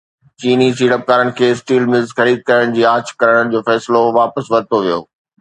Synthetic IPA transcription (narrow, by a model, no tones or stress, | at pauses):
t͡ɕiːnisiːɽəp̚kaːɾənɪ̆kʰeːsʈiːlmɪlzxɐɾiːd̪̚kɐɾəɽ̃d͡ʑiːaːt͡ɕʰkɐɾəɽ̃əɽɪ̆d͡ʑoːfɛːsɪloʋaːpəsʋɐɾt̪ʰoʋijo̰ː